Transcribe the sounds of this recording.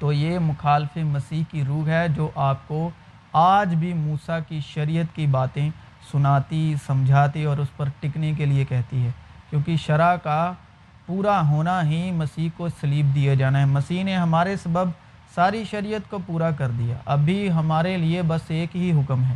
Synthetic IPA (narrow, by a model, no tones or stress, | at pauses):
t̪oːjeːmʊxaːlfemɐsiːɦkiɾuːkɦɛd͡ʒoːʔaːp̚ko | aːd͡ʒbʱimuːsakiʃɐɾijət̪kibaːt̪ẽ | sʊnaːt̪isɐ̃md͡ʒʱaːt̪iɔːɾʊspɐɾʈɪknek̬eliekɛɦt̪iɦɛːkjõːkiʃɐɾaka | puːɾaɦoːnaɦimɐsiːɦkosɐliːb̚d̪ijad͡ʒaːnaɦɛmɐsiːɦneɦɐmaːɾesɐbəb | saːɾiʃɐɾijət̪kopuːɾakɐɾd̪ija̰ːʔɐbʱiɦɐmaːɾeliebɐseːkɦiɦʊkmɦɛː